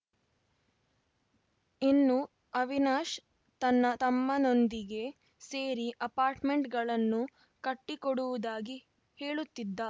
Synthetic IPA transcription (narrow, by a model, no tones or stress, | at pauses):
inːu | ɐʋinaːʃ | t̪ɐnːɐt̪ɐmːɐno̞nd̪iɡe̞ | se̞ːɾiʔɐpaːɾʈme̞ɳʈɡɐɭɐnːu | kɐʈːikɔɽuʋud̪aːɡi | heːɭut̪ːid̪ːɐ